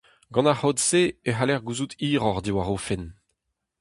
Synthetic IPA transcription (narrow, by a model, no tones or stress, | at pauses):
ɡɑ̃nahodseeɦalɛʁɡuzut̪ʰiːʁɔʁd̪iwaʁoːfɛn